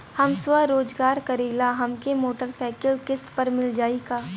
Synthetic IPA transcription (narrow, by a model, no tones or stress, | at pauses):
hɐmswəɾoːd͡ʒɡaːɾkɐɾiːlaɦɐmkemoːʈəɾsaːɪkəlkɪsʈpɐɾmɪld͡ʒaːikaː